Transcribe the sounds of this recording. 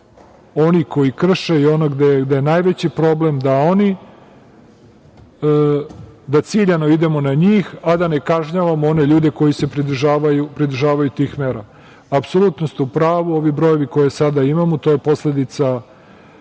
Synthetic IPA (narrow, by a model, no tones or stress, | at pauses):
o̞niko̞jikr̩ʃeio̞noɡd̪eɡd̪ejenajʋet͡ɕipɾo̞ble̞md̪ao̞ni | d̪at̪siːʎano̞id̪e̞mo̞naɲiːxad̪ane̞kaʒɲaʋamoo̞ne̞ʎuːd̪e̞ko̞jisepɾid̪ʒaːʋajupɾid̪̩ʒaːʋajut̪iːxmeɾa | apsolut̪nost̪upɾaːʋuo̞ʋibɾo̞je̞ʋiko̞jesad̪aimamot̪o̞ːje̞po̞sle̞d̪it̪sa